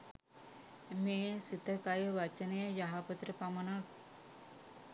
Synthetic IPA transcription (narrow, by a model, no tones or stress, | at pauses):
meːsit̪ːəkajəʋat͡ʃənejəjaɦapət̪ɾepamənak̚